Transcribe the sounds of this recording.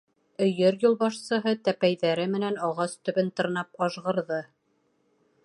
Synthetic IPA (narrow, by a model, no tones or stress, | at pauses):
ɵ̆jɘɾjulˠβɑʃsɤ̆ɦɤt̪æpæjðæɾɘmɘ̆nænɑʁɑst̪ɵ̆βɘnt̪ɤ̆ɾnɑpɑʃʁɤ̆ɾðɤ